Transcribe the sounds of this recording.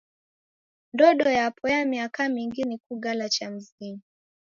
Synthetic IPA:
ndɔɗɔjapʰɔjamiakamiŋɡinikuɡalat͡ʃam̩zini

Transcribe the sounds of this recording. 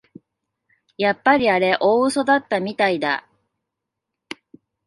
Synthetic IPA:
japːaɾʲiaɾe̞ʔo̞ːɯso̞d̪at̪ːamʲit̪aid̪a̰

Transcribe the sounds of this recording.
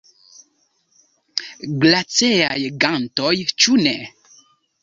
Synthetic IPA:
ɡlat͡sɛajeɡãŋn̩tɔjit͡ʃunɛ

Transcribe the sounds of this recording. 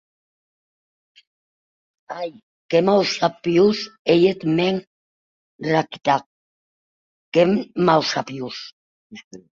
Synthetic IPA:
aj | kemawsapiusejet̪meŋ | raki̥t̪ak̚ | kemawsapius

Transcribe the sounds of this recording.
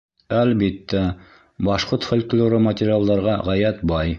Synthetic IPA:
ælbit̪ːæ | bɑʃqoɾt̪fŏlʲklʲoɾɤmɐtʲɪɾʲɪalˠd̪ɑɾʁɑʁæjæt̪bɑj

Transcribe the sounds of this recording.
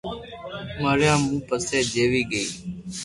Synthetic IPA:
məɾjãːmũːpəseːd͡ʒeːʋiːɡəḭː

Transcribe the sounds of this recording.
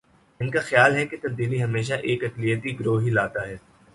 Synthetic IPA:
ɪnkaxjaːlɦɛket̪ɐb̚d̪iːliɦɐmeːʃ̬aʔeːkɐklijət̪iɡɾoːɦilaːt̪aɦɛː

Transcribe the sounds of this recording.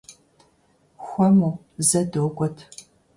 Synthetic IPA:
xʷɔmuː | zɐdoːɡʷʼɔtʰ

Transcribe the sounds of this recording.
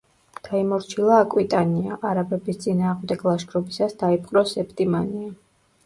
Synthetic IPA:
d̪̥aimɔɾt͡ʃʰilˠaːkʼwit̪ʼaniaʔaɾabɛbist̪sʼinaːʁmd̪ɛɡlˠaʃkʰɾɔbisasd̪̥aipʼqʼɾɔsɛpʰʼt̪ʼimania

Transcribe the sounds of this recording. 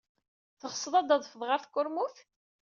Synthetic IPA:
θəʁəsˤːəðˤɑd̪ɑðˤfəðˤʁaɾθkːʊɾmuθ

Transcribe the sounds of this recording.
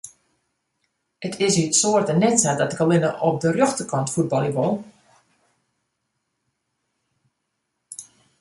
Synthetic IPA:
ətʰɪsysoərtənɛtsadɔt̚əkalɪnəʔɔp̚dərjoxtəkɔntfud̚bɔlˠiəʋɔlˠ

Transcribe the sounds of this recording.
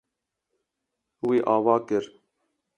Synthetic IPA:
wiːʔɑːvɑːkɨɾ

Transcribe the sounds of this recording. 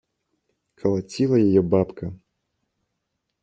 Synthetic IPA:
kʰɐlˠat͡sʲilˠɐjajɛbapkʰɐ

